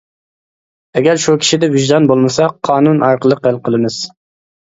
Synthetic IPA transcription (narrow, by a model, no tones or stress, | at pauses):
ɛɡʲæɾʃukʲʰi̥ʃid̪ɛviʒd̪ɑnbolˠmɨsɑqʰɑːnunʔɑɾqəlˠəqælˠqʰəlˠɨmɨz̥